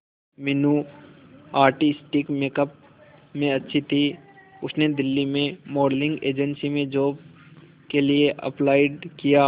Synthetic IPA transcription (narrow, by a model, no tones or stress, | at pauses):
mɪnu | aːɾʈɪsʈɪkmeːkəp̚ | mẽɐtːʃʰit̪ʰiʊsned̪ɪlːimẽmoːɖlɪ̃ŋɡeːd͡ʒənsimẽd͡ʒoːb̚ | kelieʔɐ̰plaːɪɖkija